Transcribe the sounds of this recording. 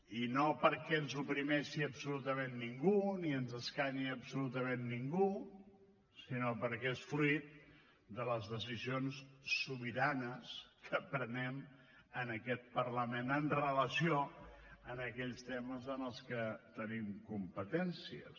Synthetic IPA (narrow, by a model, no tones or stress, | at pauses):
inopəɾkɛnzupɾimɛʃiəbsulut̪əmenːiŋɡuniənzəskaɲiəbsulut̪əmenːiŋɡu | sinopəɾkɛesfluit̪̚ | d̪ələzðəsizionsːuβiɾanəskəpɾənɛm | ənəkɛt̪̚pərləmenənrələsioənəkɛʎst̪ɛməzənəlˠskət̪ənimkumpət̪ɛnsiə̰